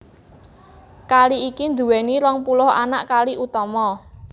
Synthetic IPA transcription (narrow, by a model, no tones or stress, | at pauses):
kaliikind̪ṳwɛniɾɔŋpulʊha̰na̰ʔkaliʔut̪ɔmɔ